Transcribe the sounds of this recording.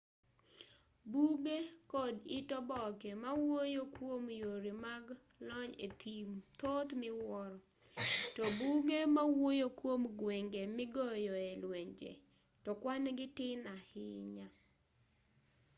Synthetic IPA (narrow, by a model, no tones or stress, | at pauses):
buɡekɔditɔbɔkɛmawojokwomjoɾimaɡ | lɔɲet̪ʰimt̪ot̪mɪwɔɾɔ | tɔbuɡemawojokwomɡwɛŋɡemɪɡɔjɔelwɛɲd͡ʒḛ | tɔkwanɡɪtɪnahɪɲa